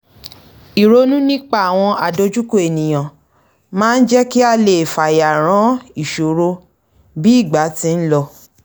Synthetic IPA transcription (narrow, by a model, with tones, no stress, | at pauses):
i˨ɾo˧nũ˦nĩ˦k͡pa˦˨a˨w̃ɔ̃˧a˨do˨˧d͡ʒu˦ko˦˨e˨nĩ˨j̃ã˨ | mãː˦n̩˦d͡ʒɛ˦ki˦a˧le˨fa˨ja˨ɾ̃ã˨˦i˦˨ʃo˨ɾo˧˦ | bi˦i˦˨ɡ͡ba˨˦tĩ˧˦n̩˦lɔ˧